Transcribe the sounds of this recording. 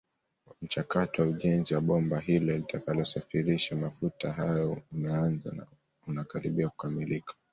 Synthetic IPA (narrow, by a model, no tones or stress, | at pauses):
m̩t͡ʃakatɔwauʄɛnziwaɓɔmbaɦilɛlitakalɔsafiɾiʃamafutaɦajɔumɛanza̰na̰ | unakaɾiɓiaku̥kamilikḁ